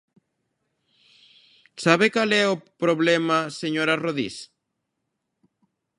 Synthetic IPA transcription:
saβekalɛopɾoβlɛmaseɲoɾaroðḭs

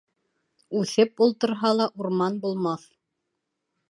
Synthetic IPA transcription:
ʉθɘp̚ulˠt̪ɤ̆ɾɦɑlˠɑʔuɾmɑnbulˠmɑθ

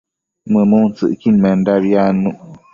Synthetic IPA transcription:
mɨmon̩t͡sɨ̰ʔkinmɛndabjanuʔ

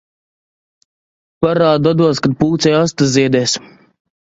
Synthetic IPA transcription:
paɾaːd̪ad̪uɔskad̪̚puːt̪sɛjast̪azziɛd̪ɛːs

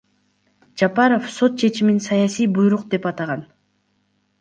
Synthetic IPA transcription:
d͡ʒɑpɑɾofso̞t̪̚t͡ʃʰe̞t͡ʃiminsɑjɑsijbujɾuqd̪e̞pɑt̪ɑʁɑn

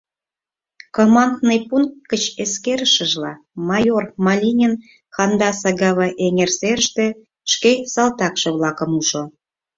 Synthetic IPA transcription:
komɑnd̪nəjpuŋ̚ːət͡ɕeskeɾəʃə̆ʒlɑ̰ | mɑjormɑlʲinʲen | xɑnd̪ɑsɑɡɑβɑʔeŋerserʃt̪e | ʃkesɑlt̪ɑkʃɤ̆βlɑkə̆muʃo

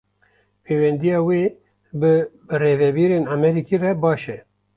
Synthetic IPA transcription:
pʰeːwɛnd̪ijɑːweː | bɨ | reːvɛbiːɾeːnamɛɾiːkʰiːrɛbɑːʃɛ

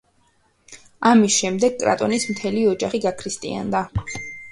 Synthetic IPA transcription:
amisʃɛmd̪ɛɡ̚kʼɾa̰t̪ʼɔnismt̪ʰɛliɔd͡ʒaχiɡakʰɾist̪ʼḭa̰nd̪a

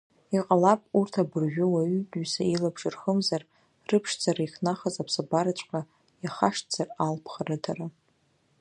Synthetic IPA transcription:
iqʼalapʼurtʰabɨrʒᶣʊwaɥʏtʼɥsailabʐɨrχəmzar | rɨpʰʂd͡zaɾaiχnaχazapʰsabaɾat͡ʃʷʼqʼa | jaχaʂtd͡z̥aralpʰχarɨtʰara

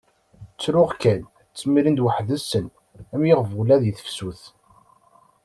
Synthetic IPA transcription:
t͡sːɾʊʁkæn | t͡sːmiɾind̪wəħðəsən | æmjeʁvulæðjəθə̥fsuθ

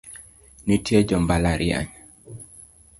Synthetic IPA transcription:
nitʰjɛd͡ʒɔmbalaɾia̰ɲ

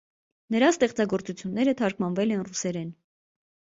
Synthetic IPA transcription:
nəɾɑst̪ɛχt͡sɑɡɔɾt͡sut͡sʰjunːɛɾət̪ʰɑɾkʰmɑnvɛlɛnrusɛɾɛn

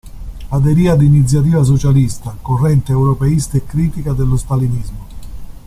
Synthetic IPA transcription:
ad̪eɾiːad̪init̪sjat̪iːvas̬ot͡ʃalist̪akorːɛnt̪eewɾɔpeist̪aekːɾiːt̪ikad̪elːʊst̪alinizmʊ

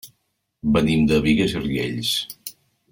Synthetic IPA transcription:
bənimd̪əβiɣəzirʎḛʎs

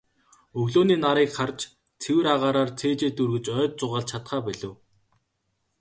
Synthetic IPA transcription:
ɵɣɮoːniːnaɾiːkχart͡ɕ | t͡sʰewɘ̆ɾaʁaːɾaːrt͡sʰeːt͡ɕeːt̪urɣɘ̆t͡ɕœːt̪̚t͡sʊʁaːɮt͡ɕʰat̪χaːpæɮɘ̆w

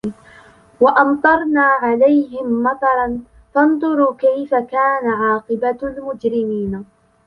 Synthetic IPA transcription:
waʔɑmt̪ˤɑɾˤnaːʕalajɦɪmːɑt̪ˤɑɾˤɑn | fɑnd̪ˤʊɾukajfakaːnaʕɑːqɨbalmʊd͡ʒɾɪmiːna

